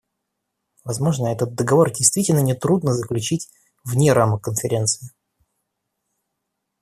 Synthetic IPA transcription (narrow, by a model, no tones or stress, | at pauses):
vɐzmo̞ʐnəɛt̪ət̪̚d̪əɡɐvo̞rdʲɪjst̪vʲitʲɪlʲnənʲɪt̪ɾud̪nəzəklʲʉt͡ɕitʲ | vnʲeɾaməkənfʲɪɾʲe̞nt̪sɨɪ